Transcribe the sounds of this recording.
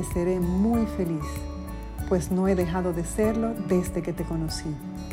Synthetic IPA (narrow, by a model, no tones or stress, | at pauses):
eseɾe̞mujfe̞lis | pwe̞sno̞e̞ðe̞xaðoðese̞ɾlo̞ðe̞zðe̞ke̞t̪e̞ko̞nosi